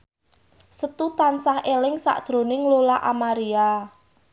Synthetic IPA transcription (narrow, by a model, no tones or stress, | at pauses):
sət̪ut̪ansahelɪŋsa̰ʔd̪̥ɾo̤nɪŋlolaʔamaɾia